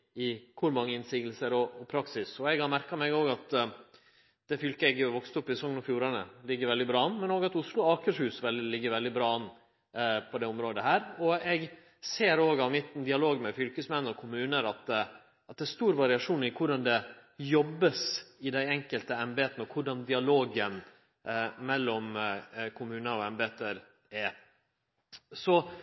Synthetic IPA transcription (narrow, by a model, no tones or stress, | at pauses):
ɪkʰʊɾmɑŋːəɪnsiːɡlsəɾɔɔpʰɾɑksɪsɔɛɡhɑɾmæɾkɑmɛɡoːɡɑt̪ | d̪̥ɛfʏlkəɛɡjʊʋɔkst̪ɔpːɪsɛsɔŋːnɔfjuːɾɑnə̰lɪɡːəɾʋɛld̪ɪbɾɑːɑnːmɛnoːɡɑt̪ʊslʊɑːkəʂhʉːsʋɛld̪ɪlɪɡːəɾʋɛld̪ɪbɾɑːɑnː | pʰɔd̪ɛʊmɾoːd̪əhæːɾɔɛɡ | seːɾoːɡɑʋmɪt̪n̩d̪ɪɑloːɡmɛfʏlkəsmɛnːɔkʰʊmʉːnəɾɑt̪ | ɑt̪̚d̪ɛæst̪uːɾʋɑɾɪɑʂuːnɪkʰʊɖɑnd̪ɛjɔbːəsɪd̪æɪɛŋkəlt̪əɛmbeːt̪nəɔkʰʊɖɑnd̪ɪɑloːɡən | mɛlːɔmkʰʊmʉːnəɾɔɛmbeːt̪əɾ | ɛ | sɔ